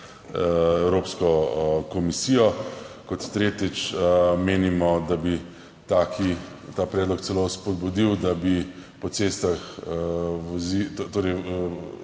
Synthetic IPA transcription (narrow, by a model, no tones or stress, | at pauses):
ɛwɾoːpskɔkɔmisijɔkɔt̪ːɾeːt̪it͡ʃmeːnimɔd̪abi | t̪aːkʰi | t̪aːpɾɛːd̪lɔkt̪sɛlospɔd̪̚bud̪iwd̪abipɔt̪seːst̪ax | ʋɔzit̪oːɾɛj